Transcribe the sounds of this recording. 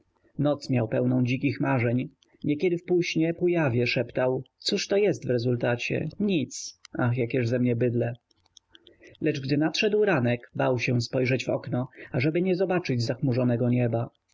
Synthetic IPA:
nɔt̪smʲjawpɛwnɔ̃w̃d͡ʑik̬ʲixmaʐɛɲ | ɲɛkʲɛd̪ɘfpuɕɲɛpujavʲjɛʂɛpt̪awt̪suʂt̪ɔjɛst̪vɾɛzult̪at͡ɕɛ̰ɲit̪saxjakʲjɛʐzɛmɲɛbɘd̪lɛ | lɛd͡ʐɡd̪ɘnat̪ʂɛd̪wɾanɛkbawɕɛspɔjʐɛd͡ʑvɔ̰knɔaʐɛbɘɲɛzɔbat͡ʂɘd͡ʑzaxmuʐɔnɛɡɔɲɛba

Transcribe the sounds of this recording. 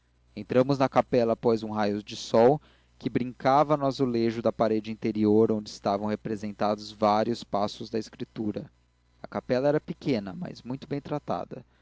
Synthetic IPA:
ẽnt̪ɾɐ̃mʊznɐkapɛlɐpojzũɦajʊd͡ʒɪsɔw | kɪbɾĩŋkavɐnɔsʊleʒʊd̪ɐpaɾed͡ʒɪĩnt̪eɾioɾõñd͡ʒɪɪst̪avɐ̃w̃hepɾezẽnt̪ad̪ʊzvaɾiʊspasʊzd̪ɐɪskɾit̪uɾɐ | ɐkapɛlɐɛɾɐpɪkẽnɐmɐ̰zmũj̃t̪ʊbẽj̃t̪ɾat̪a̰d̪ɐ̰

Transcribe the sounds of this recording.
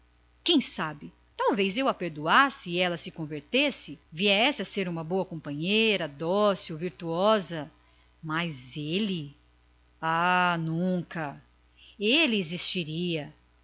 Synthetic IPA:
kẽj̃sabɪ | t̪awvejzewapeɾd̪uasɪːɛlɐsɪkõveɾt̪esɪviɛsɪaseɾũmɐboɐkõmpɐ̃ɲejɾɐd̪ɔsɪoviɾt̪uɔzɐ | mɐjzelɪ | anũkɐ | elɪezist͡ʃiɾiɐ

